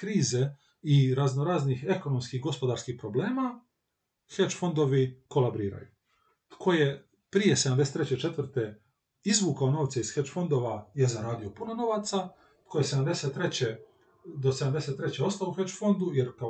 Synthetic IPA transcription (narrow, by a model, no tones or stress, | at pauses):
kɾiːze | iɾaznoɾaːznixe̞ko̞no̞mskixɡo̞spo̞d̪aːɾskihpɾo̞ble̞ːma | xet͡ʃfo̞nd̪o̞ʋiko̞labɾiːɾa̰jṵ | t̪kʰo̞je̞ | pɾije̞se̞d̪amd̪eset̪ɾet͡ɕet͡ʃe̞t̪ʋr̩t̪e̞ | izʋuːkaono̞ːʋt̪seisxet͡ʃfo̞nd̪o̞ʋajezaɾaːd̪ijo̞punono̞ʋat̪sa | t̪̚kʰojese̞d̪amd̪e̞set̪ːɾet͡ɕe | d̪o̞se̞d̪amd̪e̞set̪ːɾe̞t͡ɕeo̞st̪auxet͡ʃfo̞nd̪ujeɾka